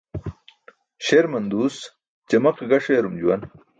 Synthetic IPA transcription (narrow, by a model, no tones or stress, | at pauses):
ɕeɾmɐnd̪uːs | t͡ɕɐmɐqeɡɐʂeɾumd͡ʑuwɐn